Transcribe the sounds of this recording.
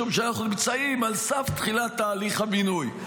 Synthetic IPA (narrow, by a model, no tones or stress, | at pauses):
umʃeanaχnunimt͡saimalsaft̪χilat̪ːaːliχhabinuj